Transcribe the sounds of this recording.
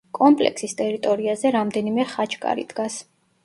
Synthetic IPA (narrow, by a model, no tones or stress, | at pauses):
kʼɔmpʼlɛ̰kʰsist̪ʼɛɾit̪ʼɔɾiazɛɾamd̪ɛnimɛχat͡ʃʰkʼa̰ɾḭd̪̥ɡas